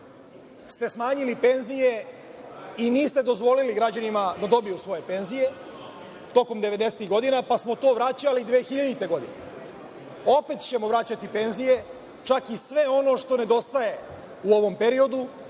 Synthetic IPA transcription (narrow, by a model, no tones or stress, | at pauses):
st̪e̞smaːɲilipe̞nzije̞ | iniːst̪e̞d̪o̞zʋo̞liliɡɾad͡ʑanimad̪ad̪o̞bijusʋo̞je̞pe̞nzije̞ | t̪o̞ko̞md̪eʋe̞d̪e̞set̪iɣɡo̞d̪inapasmo̞t̪o̞ːʋɾat͡ɕalid̪ʋeːxiʎad̪it̪e̞ɡo̞d̪ine | o̞pe̞t̪t͡ɕe̞mo̞ʋɾat͡ɕat̪ipe̞nzije̞ | t͡ʃakisʋe̞o̞no̞ʃt̪o̞ne̞d̪o̞st̪aje̞ | uo̞ʋo̞mpe̞ɾio̞d̪u